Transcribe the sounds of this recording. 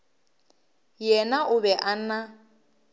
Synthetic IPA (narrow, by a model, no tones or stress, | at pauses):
jɛnaʔʊbɛʔan̩na